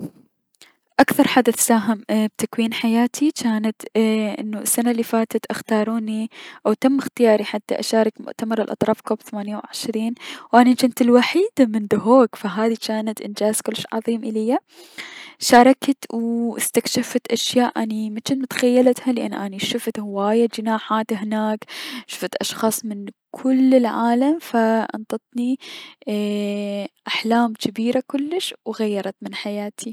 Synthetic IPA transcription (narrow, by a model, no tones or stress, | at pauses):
ʔakθɑɾˤħad̪aθsaːɦɪmb̚t̪akwiːnħajaːt̪ʰit͡ʃaːnat̪ʔɪ̰nːuɪsːanalːifaːt̪at̪ʔaxt̪ɑːɾˤuːniʔawt̪amːɪxt̪ɪjɑːɾˤiħat̪ːa̰ʔaʃɑːɾˤɑkmʊ̰ʔt̪amɑɾˤɪlʔɑ̰t̪ˤɾˤɑːfkoːbθamaːnjawʕɪʃɾiːnwʔanit͡ʃɪnt̪ɪlwaħiːd̪amɪnd̪ʊɦoːɡfaɦaːðit͡ʃaːnat̪ʔɪnd͡ʒaːzkʊlːɪʃʕɑ̰ðˤiːmʔɪlɪjːa | ʃɑːɾˤɑkt̪wʔɪst̪akʃafat̪ʔaʃjaːʔʔanimat͡ʃɪnt̪mʊt̪xajːalat̪halɪʔa̰nːʔaniʃʊft̪hɪwaːjad͡ʒɪnaːħaːt̪hɪnaːkʃʊ̥ft̪ʔɑʃxɑːsˤmɪnkʰʊlːɪlʕaːlamfaʔɑ̰nt̪ˤɑt̪ˤni | ʔaħlaːmkɪbiːɾakʊlːɪʃwɣajːɑɾˤɑt̪mɪnħajaːt̪ʰi